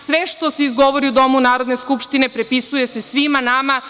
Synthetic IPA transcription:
sʋeʃt̪o̞seizɡo̞ʋoɾiud̪o̞munaːɾo̞d̪ne̞skupʃt̪ine̞pɾepisuje̞se̞sʋimanama

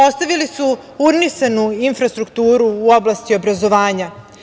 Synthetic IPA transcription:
o̞st̪aʋilisu | uɾnisanuinfɾast̪ɾukt̪uːɾuːo̞blˠast̪io̞bɾazo̞ʋaːɲa

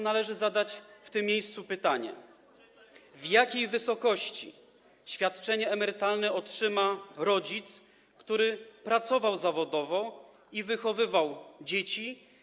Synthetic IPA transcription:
nalɛʐɘzad̪at͡ɕft̪ɘmʲːjejst̪supɘt̪aɲɛ̰ | vjakʲejvɘsɔkɔɕt͡ɕḭ | ɕfʲjat̪t͡ʂɛɲɛːmɛɾɘt̪alnɛɔtʂɘmaɾɔd͡ʑit̪s | kt̪uɾɘpɾat̪sɔvawzavɔd̪ɔvɔ | ivɘxɔvɘvawd͡ʑet͡ɕi

